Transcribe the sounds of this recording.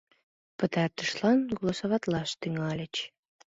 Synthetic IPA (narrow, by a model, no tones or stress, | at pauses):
pət̪ɑrt̪ə̥ʃlˠɑnɡolˠosoβɑt̪lˠɑʃt̪yŋɑlʲə̆t͡ɕ